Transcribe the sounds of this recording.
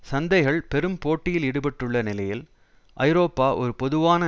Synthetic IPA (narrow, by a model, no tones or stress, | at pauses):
sɐnd̪ɐɪɣɐɭpɛɾɯmpoːʈːɪjɪlɪɽɯpɛʈːrɯɭːɐnɪlɐjɪl | ʔɐ̰ɪɾoːpːaːʔɔɾɯpɔðɯʋaːnɐ